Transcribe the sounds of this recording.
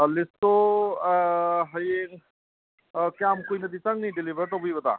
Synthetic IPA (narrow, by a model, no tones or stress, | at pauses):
lɪst̪o | ɦəje | kaːmkoːiːnət̪iːt̪əŋɡnĩɖɪliʋəɾt̪õpibət̪a̰ː